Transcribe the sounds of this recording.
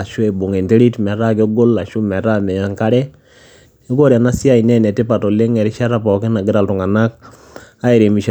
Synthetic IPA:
a˨ʃu˦e˨bo˨ŋe˨nte˦ɾi˦tmɛ˨ɾa˦k̬e˦ɡo˦lːa˨ʃu˦mɛ˨ɾa˦mɛ˨ja˦ŋka˦ɾɛ˦ | e˦ɡo˦ɾja˨na˦si˦a˦˨i˨nɛ˦nɛ˨te˦pa˨tɔ˨le˦ŋɛ˨ɾi˦ʃa˦ɾa˨pɔ˨kɪ˦na˨ɡɪ˦ɾa˨ltu˨ŋa˨na˦k̚ | a˦e˨ɾe˨mi˨ʃ

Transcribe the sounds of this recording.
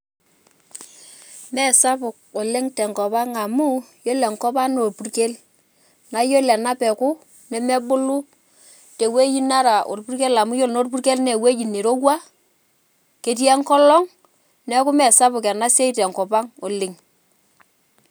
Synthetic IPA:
mɛ˦˨sa˦pʊ˨k̚ɔ˨lɪ˦ŋtɛ˨ŋkɔ˨pa˦ŋa˨mu˦jo˦lɛ˨ŋkɔ˦pa˦no˨lpu˨rke˦l | na˨˦jo˦lɛ˨na˦pɛ˨kʊ˦ | nɛ˨mɛ˦bʊ˦lʊ˦ | tɛ˨we˦ji˦na˦ɾa˨ʔo̰˨lpu˦rke˦la˨mu˦jo˦˨lno˦rp̬u˦rke˦lnɛ˨we˦d͡ʒi˨ni˨ɾo˦wa˦ | ke˨t̬jɛ˦ŋkɔ˦lɔ˦ŋ | nɛ˦kʊ˦mɛ˨sa˦bʊ˨kɛ˨na˦se˦i˦tɛ˨ŋkɔ˨pa˦ŋo˨lɪ˨ŋ

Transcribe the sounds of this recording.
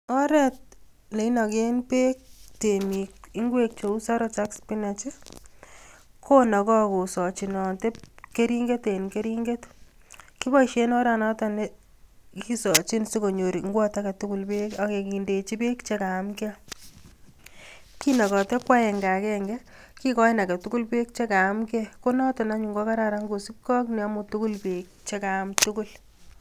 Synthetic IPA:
ɔ˦ɾɛ˦t̚ | ne˨i˦nɔ˨ke˦npe˦k̚te˨mi˨k̚i˦ŋɡwe˦k̚t͡ʃe˨u˦sa˦ɾɔ˦ta˦kspi˦na˨t͡ʃe˦ | kʰo˦nɔ˨kɔ˦ko˨sɔ˨t͡ʃi˨nɔ˨nte˦pke˦ɾi˦ŋɡe˦te˨nke˦ɾi˦ŋɡe˦t | ki˦bɔ˦iʃe˦nɔ˦ɾa˨nɔ˦ta˦ne | ki˦sɔ˨t͡ʃi˦nsi˦ko˨ɲo˨ɾi˨ŋɡwɔ˦ta˦kɛ˨tu˦ku˦lbe˦ka˨ke˨ki˨nde˨t͡ʃi˦be˦kt͡ʃeka˨˦mke | ki˦nɔ˨kɔ˨te˦kwa˦ɛ˨ŋɡa˨kɛŋɡɛ˦ | ki˦kɔ˦ɪ˦na˨kɛ˨tu˦ku˦lpe˦k̚t͡ʃe˦ka˨˦mke˦ko˦nɔ˦tɔ˨na˦ɲu˨ŋɡɔ˦ka˦ɾa˨ɾa˦ŋɡu˨si˦p̚kɔ˦knɛ˨a˦mu˨tuku˦lpe˨k̚t͡ʃe˦kaː˨˦mtukul

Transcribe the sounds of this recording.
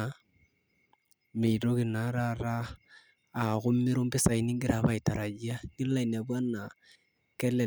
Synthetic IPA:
me˨i˨ɾo˦kɪ˨na˨ɾa˦ɾaː˦˨ | ɣʊ˦mːɪ˦ɾʊ˦mbɪ˦sa˨i˨ni˦ŋɡɪ˦ɾa˨βa˦ɪ˨ta˨ɾa˨d͡ʒi˦a˦ŋɪ˦la˦i˨n˨a˨bwa˦na˨ | kɛ˦lɛ˨

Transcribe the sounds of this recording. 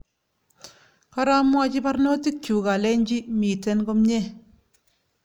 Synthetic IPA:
ka˦ɾa˦mwa˦t͡ʃi˦pa˦ɾno˦ti˦kju˨ka˨le˦ɲd͡ʒi˦mi˨te˦nko˦mɲe˦˨

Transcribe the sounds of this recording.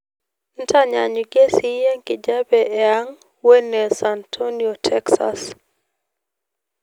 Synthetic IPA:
n̩˦ta˦ɲa˨ɲu˨ɡe˦si˦je˦ŋkɪ˨d͡ʒa˦bɛ˨e˨a˦ŋ | we˦nɛ˨sa˨ntʰonio˨tʰɛksa̰s

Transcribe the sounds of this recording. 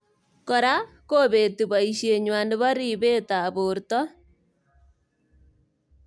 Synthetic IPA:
kɔ˨ɾa˦ | ko˦βe˨tu˨βa˨i˨ʃje˨ɲwa˨ne˦βɔ˦ɾi˦˨βe˦ta˨βo˨ɾtɔ˦

